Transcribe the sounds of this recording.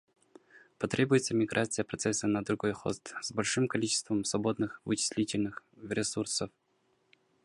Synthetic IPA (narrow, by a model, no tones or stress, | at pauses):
pɐt̪ɾʲʔebʊjɪt̪səmʲɪɡɾʔat̪sɨjəpɾɐt̪sɛsənəd̪ɾʊɡojxo̰st̪zbɐlʲʂɨmkɐlʲit͡ɕɪ̥st̪vəmsvɐbo̞d̪nɨxvɨt͡ɕɪ̥sʲlʲitʲɪlʲnɨx | ɾʲɪsursəf